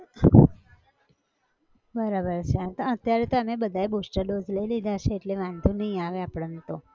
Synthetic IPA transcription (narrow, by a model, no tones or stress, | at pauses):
bəɾabəɾt͡ʃʰeət̪oət̪jaɾet̪oəmẽbəd̪ʱaebusʈəɾɖod͡ʒləilid̪ʱaʃeːʈleʋãnd̪ʱunəɦĩaʋeapɽənt̪o